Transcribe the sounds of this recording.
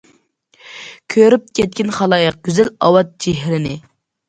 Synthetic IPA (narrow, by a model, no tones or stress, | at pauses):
kʲʰøɾyp̚kʲʰɛt̪̚kʲɪnχɑlˠɑːjəq̚ɡ̥ʲyzælɑ̰wɑt̪̚d͡ʒeɦɾɪnɪ